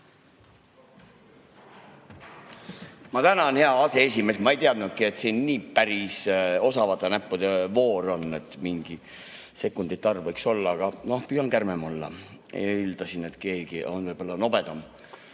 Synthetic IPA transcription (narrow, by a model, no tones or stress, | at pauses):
mɑt̪ænɑonhe̞ɑɑse̞es̬ʲime̞ːsmɑe̞jt̪eɑd̪nut̪̚kie̞t̪siːnːiːpæɾiso̞sɑvɑt̪ːˑɑnæpːud̪̥evo̞ːɾo̞nːe̞t̪ːˑmiŋɡ̥i | se̞kːˑund̪̥it̪ːˑɑrvɤjkso̞lːɑɑɡ̥ɑno̞hpyjɑnkærmemolːɑ̰ | ḛild̪̥ɑsine̞t̪ke̞ːɡ̥iʔo̞̰nvɤjb̥olːɑno̞b̥e̞d̪̥ɑm